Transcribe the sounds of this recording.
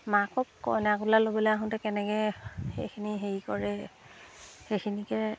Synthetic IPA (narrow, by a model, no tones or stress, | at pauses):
makɔkkɔ̰jnɛakulalobɔlɛaɦʊ̃ntɛkɛnɛkɛḛkʰiniɦeɹikɔɹɛ | xexʰinikɛ